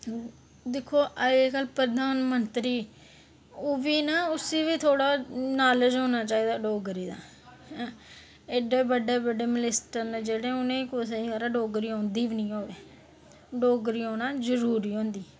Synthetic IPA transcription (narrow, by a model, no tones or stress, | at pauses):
d̪ɪkʰːoːʔəeːkəlpɾəd̪ʱaːnmənt̪ɾiː | ʊʋiːnaːʊsiːʋiːt̪ʰoːɽaːnaːləd͡ʒɦõːnaːt͡ʃaːiːd̪aːɖoːɡɾiːd̪a̰ː | eɖeːbəɖeːbəɖeːməlɪsʈəɾneːd͡ʒeːɽẽːʊnẽːkosəiːaɾaɖoːɡɾiːõːnd̪iːʋnĩːɦoːʋeː | ɖoːɡɾiːõːnãːzəɾuːɾiːɦõːnd̪iː